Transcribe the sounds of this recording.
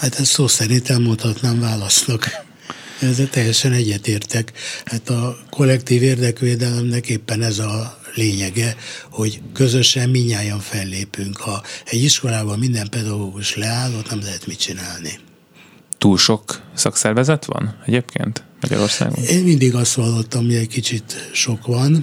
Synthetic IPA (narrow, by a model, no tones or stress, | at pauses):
hat̪ɛst̪soːsɛɾint̪ɛlmont̪hɒt̪naːɱvaːlɒsnɒk̪ | ɛzːɛlt̪ɛjːɛʃɛnɛɟːɛt̪eːrt̪ɛkhaːt̪ɒko̞lːɛkt̪iːveːrd̪ɛkʋeːd̪ɛlɛmnɛkeːpːɛnɛzɒleːɲɛɡɛho̞ɟkø̞zø̞ʃɛmmiɲːaːjɒɱfɛlːeːpyŋkhɒɛɟːiʃko̞laːbɒmmind̪ɛmpɛd̪ɒɡoːɡuʃlɛaːlːot̪nɛmlɛɦɛt̪mit͡ʃinaːlni | t̪uːlʃo̞ksɒksɛrvɛzɛt̪ʋɒ̰nɛɟeːpkʰḛːnt̪mɒɟɒ̰ɾo̞̰rsa̰ːɡo̰eːnmind̪iɡɒst̪hɒlːot̪ːɒmiɛckit͡ʃit̪ʃo̞kʋɒn